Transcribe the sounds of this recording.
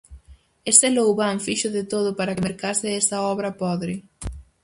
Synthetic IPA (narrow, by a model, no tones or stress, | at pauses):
est̪ɪlowβaɱfiʃʊðɪt̪oð̞ʊpaɾɐkɪmeɾkasɪɛst̪ɐɔβɾɐpɔðɾɪ